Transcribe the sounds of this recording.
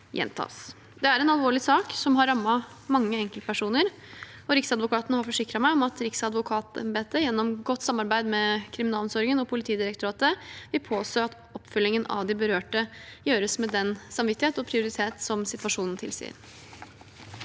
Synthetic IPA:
jʔɛ̰nt̪ʰɑ̰ːs | d̪ɛæɾɛnɑlˠʋoːɭɪsɑːksɔmɦɑɾːɑmːɑ | mɑŋːəɛŋkəlt̪pʰæʂuːnəɾ | ɔɾɪksɑd̪ʋʊkʰɑːt̪ənəhɑɾfɔʂɪkɾɑmæɪɔmɑt̪ɾɪksɑd̪ʋʊkʰɑːt̪ə̰mbeːt̪əjɛnːɔmɡɔt̪ːsɑmːɑɾbæɪd̪mɛkʰɾɪmɪnɑːlnsɔɾɪŋənɔpʰʊlɪt̪ʰiːd̪ɪɾəkt̪ʊɾɑːt̪əʋɪlpʰoːst̪oːɑt̪ | ɔpːfʏlːɪŋənɑ̰ʋd̪ɪbəɾøːʈəjøːɾəsmɛd̪ɛnsɑmʋɪt̪ːɪheːt̪ɔpʰɾɪʊɾɪt̪ʰeːt̪sɔmsɪt̪ʋɑʂuːnn̩t̪ʰɪ̰lsḭːə̰ɾ

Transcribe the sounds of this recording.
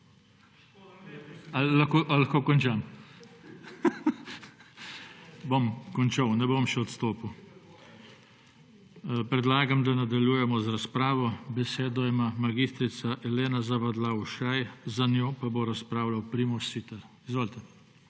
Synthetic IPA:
alakoʔlaxkoːkɔnt͡ʃam | bomkɔnt͡ʃawnɛbomʃɛɔt̪st̪oːpuw | pɾɛd̪laːɡamd̪anad̪aljujɛmɔzɾaspɾaːʋɔbɛseːd̪ɔimaːmaɡist̪ɾit̪saʔɛleːnazaʋad̪lawuʃajzanjoːpaboɾaspɾaːwlawpɾimɔsit̪ɛɾizʋoːlt̪ɛ

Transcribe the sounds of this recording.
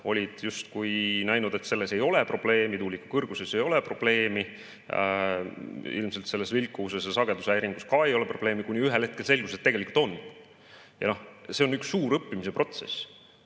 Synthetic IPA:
o̞lʲid̪̥just̪kujnæjnud̪e̞t̪se̞lːe̞se̞jo̞lepro̞b̥le̞ːmit̪uːlikːukɤrɡ̥use̞se̞jo̞le̞pro̞b̥le̞ːmi | ḭlmse̞lt̪se̞lːe̞svilkːˑuːsesjɑsɑɡe̞d̪usæjɾiŋɡ̥uskɑe̞jo̞le̞pro̞b̥le̞ːmikunʲiyɦelhe̞t̪̚ke̞lse̞lɡ̥uset̪ːeɡe̞likult̪o̞n | jɑ̰nohse̞o̞nyksːuːɾɤpːimise̞pro̞t̪se̞̰s

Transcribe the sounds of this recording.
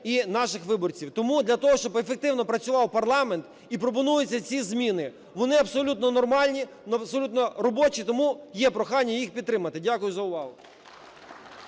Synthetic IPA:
inɑʃɪxʋɪbɔrt͡sʲiwt̪ɔmud̪lʲɐt̪ɔɦɔʃt͡ʃɔbefek̚t̪ɪwnɔpɾɐt͡sʲʊʋɑwpɐrlˠɑment̪ | ipɾɔp̬ɔnujʊt͡sʲːɐt͡sʲizʲmʲinɪ | ʋɔnɪɐbsɔlʲut̪nɔnɔrmɑlʲnʲi | nsɔlʲut̪nɔɾɔbɔt͡ʃit̪ɔmujɛpɾɔxɑnʲːɐjixpʲid̪t̪ːɾɪmɐt̪ɪdʲakʊjʊzɐʊʋɑɦʊ̰

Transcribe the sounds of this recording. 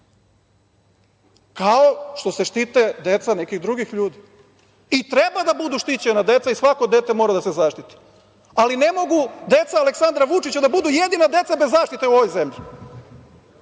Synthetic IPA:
kaoʃt̪o̞se̞ʃt̪it̪ed̪e̞t̪sanekiɣd̪ɾuɡixʎuːd̪i | it̪ɾebad̪abud̪uʃt̪it͡ɕenad̪e̞t̪saisʋako̞d̪et̪emo̞ːɾad̪ase̞zaʃt̪it̪i̥ | aline̞mo̞ɡud̪e̞t̪saːleksand̪ɾaʋut͡ʃit͡ɕad̪abud̪ujed̪inad̪e̞t̪sabezːaːʃt̪it̪euoʋojzemʎi

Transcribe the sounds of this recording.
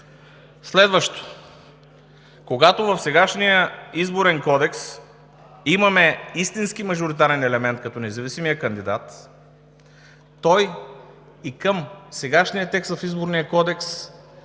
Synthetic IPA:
slɛd̪vəʃt̪o̥ | koɡat̪ovəfsɛɡaʃnijəizboɾɛnkɔd̪ɛks | imɐmɛist̪insk̟imɐʒʊɾit̪aɾɛnɛlɛmɛnt̪̚kɐt̪ɔnɛzɐvisimijəkɐnd̪id̪at̪ | ɔj | ikəmsɛɡaʃnijət̪ɛkst̪vɐfizboɾnijəkɔd̪ɛks

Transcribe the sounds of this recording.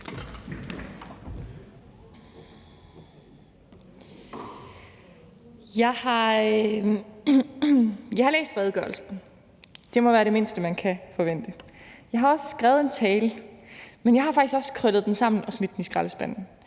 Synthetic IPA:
jɑ̈ɪhɑ̈ | jɑɪhɑlḛːsd̥ʁɛːð̞ˠɡ̥ɶɐ̰lsn̩ | d̥e̝mɒ̽ʋæːɐɾe̝me̝nsd̥əmænkʰæfɒ̽ʋen̰d̥əjɑ̈ɪɦɑ̈ɒ̽sə̥sɡ̥ʁɛːð̩ˠe̝nt͡sʰɛːl | menjɑ̈ɪhɑ̈fɑ̈ɡ̥isɡ̥ɒ̽skʰʁœd̥ð̞̩ˠd̥ensɑ̈m̰n̩ɒ̽smid̥d̥enisɡ̥ʁɑləsb̥æn̰n̩

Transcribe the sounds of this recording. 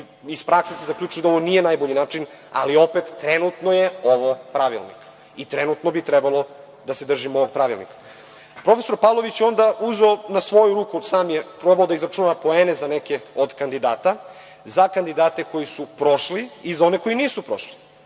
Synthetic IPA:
ispɾʔaksesezakʎʲuːt͡ʃujed̪ao̞ʋo̞nijenajboʎinaːt͡ʃina̰lio̞pet̪ːɾenut̪nojeo̞ʋopɾaʋḭlˠnḭk | it̪ɾenut̪nobit̪ɾebalo̞ | d̪ased̪r̩ʒimoʋoɡ̚pɾaʋḭlnḭkḁ | pɾo̞fesoɾpavlˠo̞ʋit͡ɕjeo̞nd̪aʔuzoːnasʋo̞juɾuːkusaːmjepɾo̞baod̪aizɾat͡ʃunapo̞eːnezanekeod̪kand̪id̪aːt̪a | zakand̪id̪aːt̪e̞ko̞jisupɾo̞ʃliːzao̞ne̞ko̞jiniːsupɾo̞ʃli̥

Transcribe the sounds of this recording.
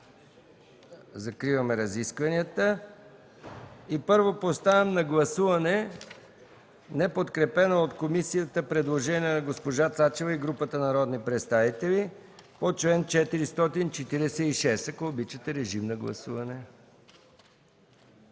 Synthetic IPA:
zɐkɾivəmɛɾɐziskvɐnijət̪ə | ipɤɾvopost̪avɛmnɐɡlˠɐsuvɐnɛ | nɛpot̪kɾɛpɛnoot̪komisijət̪əpɾɛd̪lˠoʒɛniənɐɡospoʒat̪sat͡ʃɛvəiɡɾupət̪ənɐɾɔd̪nipɾɛt̪st̪avit̪ɛli | pot͡ʃlɛnt͡ʃɛt̪iɾist̪ɔt̪int͡ʃɛt̪iɾɛsɛiʃɛsɐkoːbit͡ʃət̪ɛɾɛʒimnɐɡlˠɐ̰suvɐnɛ

